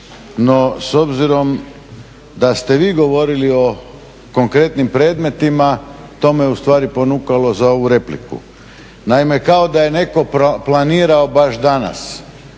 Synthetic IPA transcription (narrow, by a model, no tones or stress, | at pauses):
noso̞bziɾo̞m | d̪ast̪e̞ʋiːɡo̞ʋo̞ɾilio̞ | ko̞ŋkɾe̞t̪nimpɾeːd̪me̞t̪imat̪o̞ːmejeust̪ʋaːɾipo̞nuːkalo̞zao̞ʋuɾe̞plḭkṵ | naimekao̞d̪aje̞ne̞ko̞planiːɾao̞baʃd̪ana̰s